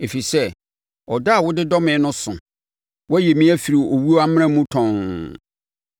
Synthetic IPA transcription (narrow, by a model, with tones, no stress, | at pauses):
e˨fi˨sɛ˦ | ɔ˨da˦a˨wʊ˦dɪ˦dɔ˦mɪ̃˨˦nʊ̃˦sʊ̰̃˨ | wɔ˦æ˦jɛ˨mĩ˦æ˦fi˨ɾi˨o˨wu˦o˦a˦m̃˦ã˦mũ˦tʰɔ̃˨n